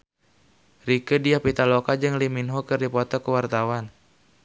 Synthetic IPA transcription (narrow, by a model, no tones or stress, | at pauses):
rikədiapit̪alokad͡ʒɨŋliminɦɔkɨrdipɔt̪ɔkəwart̪awan